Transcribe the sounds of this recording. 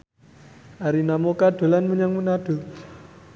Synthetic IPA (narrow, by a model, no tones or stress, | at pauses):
ʔaɾinamokaɖ̪̥o̤lanməɲaŋmənaɖ̥o̤